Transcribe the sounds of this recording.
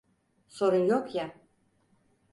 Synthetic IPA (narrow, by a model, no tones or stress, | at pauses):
so̞ɾunjokja